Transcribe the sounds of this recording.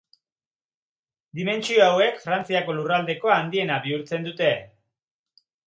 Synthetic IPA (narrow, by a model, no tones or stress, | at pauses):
d̪ime̞nt͡sioawe̞kfɾant͡siako̞lurald̪e̞ko̞aand̪ie̞naβiuɾt͡se̞nd̪ut̪e̞